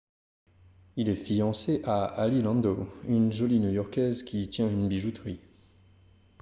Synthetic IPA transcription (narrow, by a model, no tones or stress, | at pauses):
ilɛfijɑ̃seʔaalilɑ̃nd̪oynʒɔlinjujɔʁkʲɛzkʲit̪jɛ̃ynbiʒut̪ʁi